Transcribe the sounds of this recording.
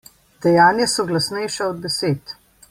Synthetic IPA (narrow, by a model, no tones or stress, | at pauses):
d̪̥ɛjaːnjasɔɡlasnɛjʃaɔd̪̚bɛseːt̪